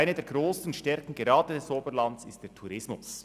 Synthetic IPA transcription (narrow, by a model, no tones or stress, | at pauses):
ɪnədeːɐɡʁoːsn̩ʃtɛɾkn̩ɡeɾɑːdədɛsoːbəɾlɑntsɪst̚d̥eːɐtʰuɾɪsmʊs